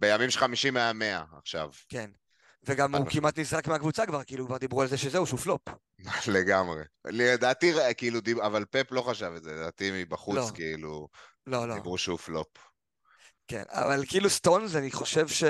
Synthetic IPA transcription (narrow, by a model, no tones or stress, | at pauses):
bejamimʃχamiʃimeame̞a̰aχʃa̰vken | veɡamukimat̪nizʁakmeakvut͡sakvaʁkiilukvaʁd̪ibʁualzeʃezeuʃuflo̞p | leɡamʁḛed̪aːt̪iʁekiilud̪iavalpeplo̞χaʃavetzeled̪aːt̪imibaχulot͡skeilu | lo̞loibʁuʃeuflop | ke̞̰na̰valkeilust̪o̞nzaniχo̞ʃe̞vʃe